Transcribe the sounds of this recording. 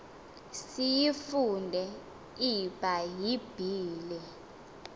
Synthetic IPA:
sijifundʱɛ | ib̥ʱajib̥ʱiːlɛ

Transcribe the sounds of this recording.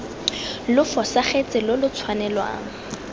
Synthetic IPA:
lʊfɔsaχet͡sʼɪlʊlʊt͡sʰwanɛlwa̰ːŋ̩

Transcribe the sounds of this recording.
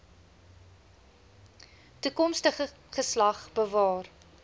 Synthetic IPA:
tukɔmstəχə | χəslɐχbəvɑːr

